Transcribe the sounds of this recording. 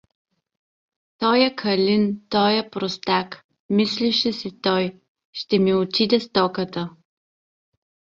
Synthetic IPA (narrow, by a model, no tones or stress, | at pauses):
t̪ɔjəkʰɐlʲint̪ɔjəpɾost̪ak | misliʃɛsit̪ɔj | ʃt̪ɛmiot̪id̪ɛst̪ɔkət̪ə